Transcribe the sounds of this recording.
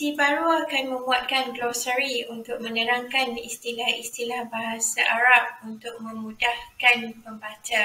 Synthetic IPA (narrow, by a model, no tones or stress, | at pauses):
dibaɾoakanmə̃muat̪̚kanɡlɔsəɾiunt̪ʊk̚mə̃ɲəɾaŋkanist̪ilahist̪ilahbaɦasaʔaɾap̚unt̪ʊk̚mə̃mũdahkanpəmbat͡ʃa